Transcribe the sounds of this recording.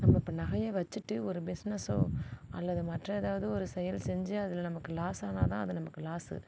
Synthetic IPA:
nɐmːɐɪpːɐnɐɣɐjeʋɐt͡ʃːɯʈːɯɔɾɯbɪsnɛsoːɐ̰lːɐðɯmɐʈrɐɛðaːʋɐðɯɔɾɯsɛjɐlsɛɲd͡ʒɯɐðɪlɐnɐmɐkːɯlaːsaːnaːt̪ãːɐðɯnɐmɐkːɯlaːsɯ̰

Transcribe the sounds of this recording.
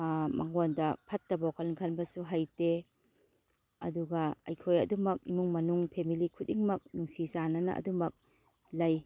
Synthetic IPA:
mʔaŋondɐpʰɐtːɐbakʰɐlkʰɐnbɐsuɦajte | ɐ̰duɡɐɐ̰jkʰojɐ̰dumɐk̚ḭmuŋmɐnuŋpʰemilikʰut̚iŋmɐk̚nuŋsisanɐnɐ̰ʔɐ̰dumɐk̚ | lɐj

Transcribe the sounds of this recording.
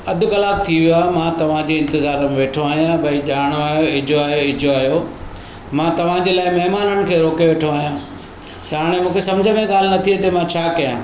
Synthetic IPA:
ɐd̪ʱʊ̆kɐlaːb̚t̪ʰiʋijoaːɦemãt̪ɐʋ̤ãd͡ʑeːɪ̃nt̪ɪzaːɾəmẽʋeːʈʰoaːɦijãbɐiʄaːɽ̃oaːɦijoɪd͡ʑʱoaːɦjoɪd͡ʑoaːɦjo | mãːt̪ɐʋ̤ãd͡ʑeːlaːɪmɐɦmaːnəɽ̃ɪ̆kʰeːɾoːkeʋeːʈʰoaːɦijãː | t̪ɐɦaːɽ̃emũːkʰesɐmd͡ʑʱəmẽɠaːl̤ɪnɐt̪ʰiet̪ɐmãt͡ɕʰaːkɐjãː

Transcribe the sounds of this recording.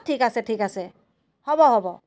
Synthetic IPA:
tʰikasɛtʰikasɛ | hɔbɔɦɔbɔ

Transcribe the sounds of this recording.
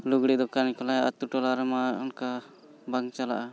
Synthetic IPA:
luɡɽid̪ɔkanikɔlaɦɛa̰t̪uʈɔlaɾɛmaɔnka | baŋt͡ʃala̰ʔa

